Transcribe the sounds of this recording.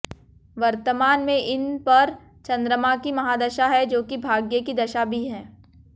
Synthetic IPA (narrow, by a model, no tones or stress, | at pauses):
ʋɐɾt̪əmaːnmẽʔɪnpɐɾ | t͡ʃɐ̃nd̪ɾəmãkimɐɦaːd̪ɐʃaɦɛd͡ʒoːkibʱaːɡjekid̪ɐʃabʱiɦɛ̃ː